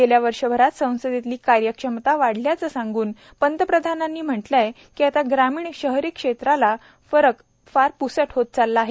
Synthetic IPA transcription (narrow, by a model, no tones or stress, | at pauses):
keljaʋəɾʂəbʱəɾat̪sə̃w̃səd̪ʱit̪liːkaɾjəkʂəmt̪aʋaɽ̤ljat͡səːsãŋɡuːn | pənd̪əpɾəd̪ʱanãnːiːm̤əʈlaje | kiːat̪aɡɾamiːɳɕəɦɾikʂet̪ɾala | fəɾək | faɾpusəʈʰɦot̪̚t͡salːaaːɦe